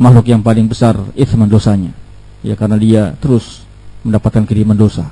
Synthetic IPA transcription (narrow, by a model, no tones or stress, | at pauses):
maxlʊkjaŋpalɪŋbəsarɪt̪mandosaɲa | ja̰kaɾənadiat̪əɾʊs | məndapat̪̚kankiɾimandosa